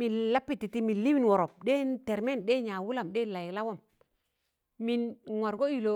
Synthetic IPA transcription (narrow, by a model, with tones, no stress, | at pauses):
mi˨nla˦pːi˦tːi˨ti˦mi˨nli˦wi˦nwo˨ɾo˨p̚ɗe˦te˨ɾme˦nɗe˦ɲa˨wu˦la˨mɗe˦la˨ji˨la˦wo˦m | mi˨nŋo˨ɾɡo˦i˨lo˨